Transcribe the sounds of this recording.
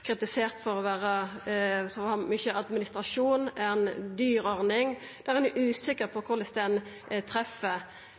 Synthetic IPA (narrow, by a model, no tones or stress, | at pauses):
kʰɾɪt̪ɪseːʁt̪fɔʁɔʋæːʁə | sɔhɑmʏçəʔɑd̪mɪnɪst̪ʁɑʂuːnɛnd̪yːɾɔʁnɪŋ | d̪̥æʁɛnʉʔʉːsɪkəʁpʰɔkʰʊʁlɛst̪ɛn | t̪ʰʁɛfːə